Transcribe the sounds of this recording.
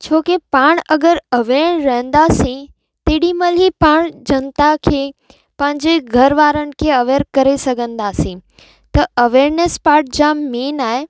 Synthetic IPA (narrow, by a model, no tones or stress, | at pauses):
t͡ɕʰoːkepaːɽ̃ɐɡəɾɐʋeːɳ̃ɾɐɦə̃nd̪aːsĩ | t̪eːɽĩmɐlɦipaːɽ̃d͡ʑɐnt̪akʰeː | pɐ̃ɦɪ̃ɲd͡ʑeɡʱɐɾʋaːɾənɪ̆kʰeɐʋeːɾkɐɾesɐɡʱə̃nd̪aːsĩ | t̪ɐʔɐʋeːɾnespaːɾʈ̚d͡ʑameːnaːɦe